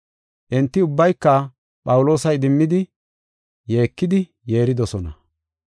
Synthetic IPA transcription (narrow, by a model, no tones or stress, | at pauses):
ʔɛnt̪ːɪʊbːɐjkːɐ | pʼɐwʊlo̞ːsɐjd̪ɪmːɪd̪ɪ | je̞ːkːɪd̪ɪ | je̞ːɾɪd̪ɔsɔnɐ̰